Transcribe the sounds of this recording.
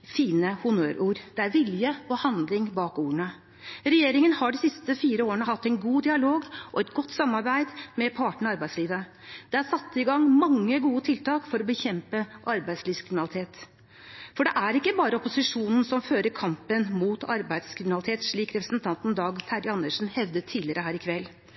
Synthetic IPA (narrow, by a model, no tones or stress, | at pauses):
fiːnəhʊnøːɾʔuːɾd̪̥ɛæɾʋɪljəɔhɑnd̪lɪŋbɑːkuːɳə | ɾɛjeːɾɪŋənhɑɖisɪst̪əfiːɾəoːəɳəhɑt̪ːæɪnɡuːd̪ɪɑloːɡʔɔɛt̪ɡɔt̪ːsɑmːɑɾbæɪd̪mɛpʰɑʈəɳ̩ɑɑɾbæɪd̪sliːʋə | d̪̥ɛæɾsɑt̪ːɪɡɑŋːmɑŋːəɡuːət̪ʰɪlt̪ɑːkfɔɾɔbəçɛmpəʔɑɾbæɪd̪sliːʋskʰɾɪmɪnlɪt̪ʰeːt̪ | fɔɖɛʔæɾɪkːəbɑːɾəɔpʊsɪʂuːnn̩sɔmføːɾəɾkʰɑmpənmuːt̪ɑɾbæɪd̪skʰɾɪmnɑlɪt̪ʰeːt̪ʂɭiːkɾɛpɾəsnt̪ʰɑnt̪n̩d̪ɑːɡt̪ʰæɾɪɑnːəʂn̩hɛʋd̪ət̪ʰiːlɪəɾəhæːɾɪkʰʋɛlː